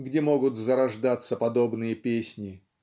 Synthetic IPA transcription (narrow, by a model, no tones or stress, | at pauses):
ɡdʲemo̞ɡʊt̪zəɾɐʐd̪at̪sːəpɐd̪o̞bnɨjəpʲesʲnʲɪ